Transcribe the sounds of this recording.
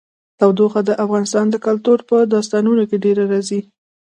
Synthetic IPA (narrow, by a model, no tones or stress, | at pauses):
t̪awd̪oxad̪əʔafɣɑnɪst̪ɑnd̪əkalt̪uɾpəd̪ɑst̪ɑnunokeɖeɾaɾɑzi